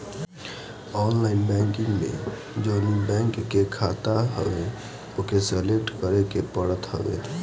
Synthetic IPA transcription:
ɔːnlaːɪnbɛ̃ŋkɪ̃ŋɡmḛ̃ | d͡ʒoːnibɛ̃ŋkːekʰaːt̪aɦə̰ʋe | okeseleʈkəɾekepəɽət̪ɦə̰wḛ

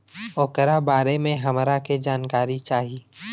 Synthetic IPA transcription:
oːkəɾabaːɾemẽɦɐmɾaked͡ʒaːnkaːɾit͡ʃaːɦiː

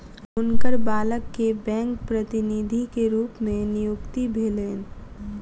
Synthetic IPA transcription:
ʊnkəɾbaːləkːebɛ̃ːŋk̚pɾət̪ɪnid̪ʱikeɾuːpmẽnɪjʊkt̪ibʱeːleːn

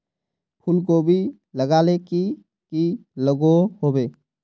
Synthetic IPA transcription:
pʰʊlk̬obʱi | ləɡaːleki | kiləɡoɦobeː

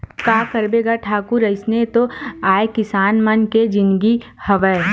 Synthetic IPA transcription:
kaːkɐɾbeːɡaʈʰaːkuɾɐɪsnet̪oaːekɪsaːnmɐnked͡ʒɪnɡihɐʋəː

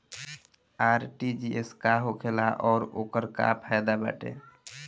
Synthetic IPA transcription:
aɾʈid͡ʒieskaɦokʰelaʔɔːɾokəɾka̰pʰajd̪aba̰ʈḛ

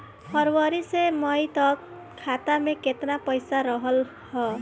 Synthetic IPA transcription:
hʰʌɾwʌɾisemʌjt̪ʌk | kʰːat̪ameket̪napəjsaɾʌɦəl | hɔ

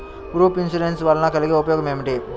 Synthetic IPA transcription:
ɡɾuːpinsuɖensʋɐlɐnɐkɐliɡeːupɐjɔːɡɐmeːmiʈi

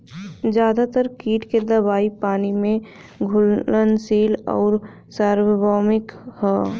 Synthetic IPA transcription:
d͡ʒjaːd̪at̪əɾkiːʈked̪ɐbaːipaːnimẽ | ɡʱʊlənsiːlɔ̰ːɾ | saːɾwəbɔːmɪkhɛː

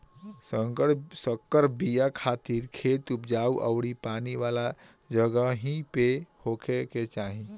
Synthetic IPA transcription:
səŋkəɽsəkːəɾbijakʰat̪iɾkʰet̪upd͡ʒauʔə̰ʊɽipaniʋala | d͡ʒəɡəɦĩpehokʰeket͡ʃaɦĩ

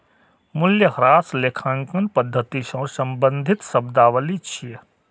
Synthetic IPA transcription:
mʊljəɦɾaːsleːkʰãːŋkɐnpɐd̪ʱːət̪iʃɐ̃ːsɐ̃mbə̃nd̪ʱɪt̪sɐbd̪aːʋəlit͡ʃʰie

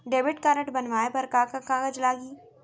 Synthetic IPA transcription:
ɖeːʋɪʈkaɾəʈbɐnʋaːebɐɾkakakãːɡəd͡ʒlaːɡiː

